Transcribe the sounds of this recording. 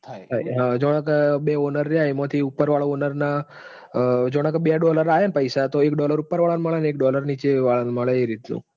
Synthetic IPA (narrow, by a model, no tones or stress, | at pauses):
t̪ʰt̪ʰajɦãd͡ʒoɽ̃akəbeonəɾːjaemat̪ʰiupːəɾʋaɭaonəɾna | d͡ʒoɽ̃akəbjaɖɔləɾajenpəjsat̪oekɖɔləɾupːəɾʋaɭanməɭanek̚ɖɔləɾnit͡ʃeʋaɭanməɭeeɾit̪nṵ̃